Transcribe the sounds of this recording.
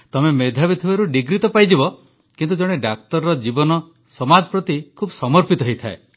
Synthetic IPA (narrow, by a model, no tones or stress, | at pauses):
t̪ɔmemed̪ʱabit̪ʰibaɾuɖiɡɾit̪ɔpajd͡ʒibɔ | kint̪ud͡ʒɔɽ̃eɖak̚t̪ɔɾɔɾɔd͡ʒibɔnɔ | sɔmad͡ʒɔpɾɔt̪ikʰubɔsɔmɔɾpit̪ɔɦojt̪ʰae